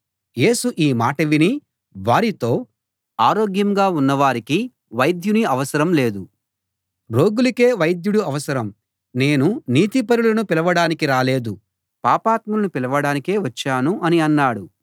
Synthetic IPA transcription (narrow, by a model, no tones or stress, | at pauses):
je̞ːsuʔiːmaːʈɐʋini | ʋaːɾit̪o̞ː | aːɾoːɡjɐmɡaːunːɐʋaːɾiki | ʋɐjd̪juniɐʋɐsɐɾɐmle̞ːd̪u | ɾo̞ːɡulike̞ːʋɐjd̪juɽuɐʋɐsɐɾɐm | ne̞ːnuniːt̪ipɐɾulɐnupilɐʋɐɽaːnikiɾaːle̞ːd̪u | paːpaːt̪mɐlɐnupilɐʋɐɽaːnike̞ːʋɐt͡ʃːaːnuɐniɐnːaːɽu